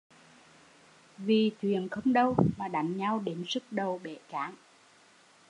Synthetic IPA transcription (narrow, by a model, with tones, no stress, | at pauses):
vi˨˩t̪ʰwḭ˨˧˨ənxə˧wŋ͡mɗə˧wmaː˨˩ɗa˨˩˦jŋ̟ɲa˧wɗe˨˦nzɨ˦˥k̚ɗə˨˩wɓe˧˩kaː˨˦ŋ